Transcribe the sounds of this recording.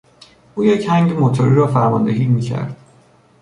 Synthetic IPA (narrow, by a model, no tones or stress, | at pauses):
ʔuːjechæŋɟemot̪ʰoɾiːɾɒːfæɾmɒ̰ːnd̪eɦiːmiːcʰæ̰ɾd̪̥̚